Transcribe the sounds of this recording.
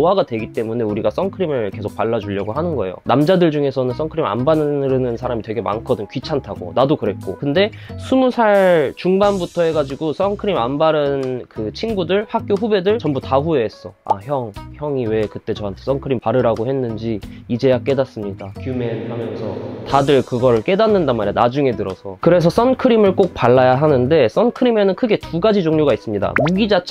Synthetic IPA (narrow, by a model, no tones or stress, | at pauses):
ɦaɡadwe̞ɡit͈e̞mune̞uɾiɡas͈ʌŋkʰɯɾimɯɭke̞sʰok̚paɭːad͡ʑuʎːʌɡoɦanɯnɡʌe̞̰jo̰namd͡ʑadɯɭd͡ʑuŋe̞sʰʌnɯns͈ʌŋkʰɯɾima̰nbanɯɾɯnɯnsʰaɾamitwe̞ɡe̞ma̰nkʰʌdɯnkɥit͡ɕʰantʰaɡo̰nadokɯɾe̞t̚k͈o̰kɯnde̞sʰumusʰaɭt͡ɕuŋbanbutʰʌɦe̞ɡad͡ʑiɡos͈ʌŋkʰɯɾimanbaɾɯnkɯt͡ɕʰinɡudɯɭhak̚k͈joɸube̞dɯɭt͡ɕʌmbutaɸueːs͈ʌa̰çjʌŋçjʌŋiwe̞kɯt͈e̞t͡ɕʌɦantʰe̞s͈ʌnkʰɯɾimpaɾɯɾaɡohe̞nːɯnd͡ʑiid͡ʑe̞jak͈e̞das͈ɯmɲidakjume̞nhamjʌnsʰʌtadɯɭkɯɡʌɾɯɭk͈e̞danːɯndanmaɾianad͡ʑuŋe̞tɯɾʌ̰sʰʌkɯɾe̞s̬ʰʌs͈ʌnkʰɯɾimɯɭk͈ok̚paɭːajaɦanɯnde̞s͈ʌnkʰɯɾime̞nɯnkʰɯɡe̞tuɡad͡ʑid͡ʑoŋɲoɡais͈ɯmɲida̰muɡid͡ʑat͡ɕʰ